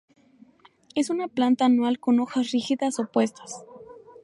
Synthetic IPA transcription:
e̞sunaplant̪aːnwalko̞no̞xasrixiðasopwe̞st̪ḁs

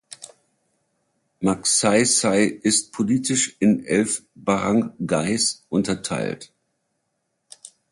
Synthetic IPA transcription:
maksaɪsaɪʔɪst̚pʰoliːtʰɪʃɪnʔɛlfb̥aʁaŋɡaɪsʔʊntɐtʰa̰ɪlt

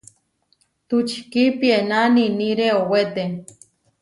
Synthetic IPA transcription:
t̪ut͡ʃi̥kipienaniniɾeowet̪e

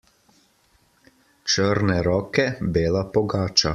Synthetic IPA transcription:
t͡ʃəɾnɛɾɔːkɛbeːlapɔɡaːt͡ʃa

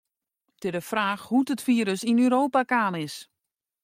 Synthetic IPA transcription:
tɪdəfraːxhutətfiːɾəsinøɾoːpakaːnɪs

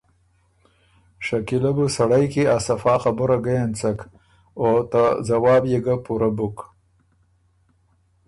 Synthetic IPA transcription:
ʃakilabusaɽajkeasafɑːxabʊɾaɡajant͡sak | ot̪azawɑːbjeɡapuɾabuk

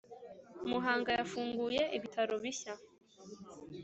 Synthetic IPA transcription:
muɦaːŋɡajafuːŋɡuje̞ʔiβitʰaɾo̞βiça

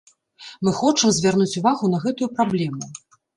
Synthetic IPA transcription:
mɨxɔt͡ʂɨmzʲvʲarnut͡sʲuvaɣun̪ɐɣɛt̪ujupɾablʲɛmu

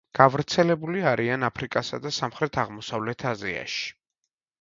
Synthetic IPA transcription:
ɡ̥avɾt̪sʰɛlɛbuliaɾianapʰɾikʼasa̰d̪asamχɾɛt̪ʰaʁmɔsavlɛt̪ʰazia̰ʃi̥

